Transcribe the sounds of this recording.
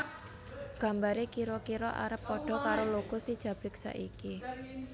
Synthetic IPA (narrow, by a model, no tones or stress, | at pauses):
ɡ̥ä̤mbaɾekiɾɔkiɾɔʔa̰ɾəpːɔɖ̥ɔ̤kaɾoloɡ̥ɔsid̥ʒ̥ä̤b̥ɾiksa̰ʔiki